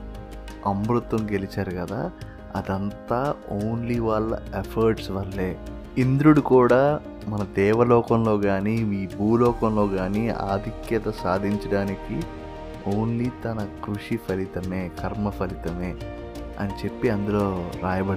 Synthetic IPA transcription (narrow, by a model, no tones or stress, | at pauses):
ɐmbɾut̪ʋɐmɡe̞lit͡ʃaːɾukɐd̪a̰ː | ɐ̰d̪ɐnt̪aːoːnliʋaːɭːɐ̰epʰɐɾʈsʋɐlːe̞ː | ind̪ɾuɽukuːɽaː | mɐnɐd̪ɛːʋɐlɔːkɐmlo̞ːɡaːniiːbʱuːlɔːkɐmlo̞ːɡaːnia̰ːd̪ʱikjɐt̪ɐsaːd̪ʱiɲt͡ʃɐɽaːniki | oːnliːt̪ɐnɐkɾuʂipʰɐlit̪ɐmeːkɐɾmɐpʰɐlit̪ɐmeː | ɐ̰nit͡ʃe̞pːiɐnd̪ulo̞ːɾaːjɐbɐɽ